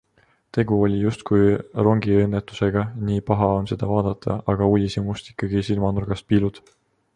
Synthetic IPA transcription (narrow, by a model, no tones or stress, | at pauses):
t̪e̞ɡ̥uo̞lʲijust̪̚kujro̞ŋɡienːet̪ːˑu̥se̞ɡ̥ɑniːpɑɦɑo̞nse̞d̪̥ɑvɑːd̪̥ɑt̪ʰːˑɑɑɡ̥ɑulʲisimust̪i̥kːˑɑɡ̥isilmɑnurɡ̥ɑst̪̚piːlud̪̥